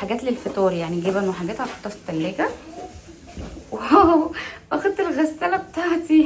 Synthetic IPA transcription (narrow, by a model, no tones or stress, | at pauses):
ħaɡæːt̪lelfet̪oːɾjaʕniɡeːbænweħaɡæːt̪ʕaft̪ːˤɑft̪ˤːælːeːɡæ | w | ʔæxæd̪elɣæsːælæbet̪aʕt̪i